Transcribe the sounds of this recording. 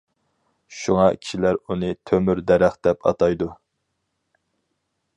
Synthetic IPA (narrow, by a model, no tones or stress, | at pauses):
ʃuŋɑkʲʰi̥ʃilæɾunɨt̪ʰømyɾd̪ɛɾæχd̪ɛpʰɑ̰t̪ɑjd̪u